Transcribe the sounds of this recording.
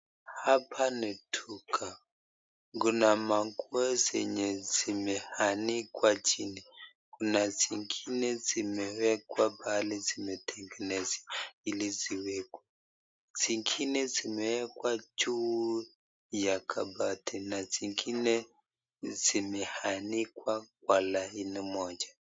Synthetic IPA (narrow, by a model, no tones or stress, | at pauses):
hapʰanɛtʰukʰa | ŋɡunamaŋɡuɛzɛ̰ɲɛz̥imɛhanikwat͡ʃinɛ | kunaziŋɡinɛzimɛwɛkwabalizimɛtʰɛŋɡɛnɛzailiziwɛkwa | z̥iŋɡinɛzimɛwɛkwad͡ʒuː | jakʰabatɛnaziŋɡinɛ | z̥imɛhanikwawalainɛmɔd͡ʒa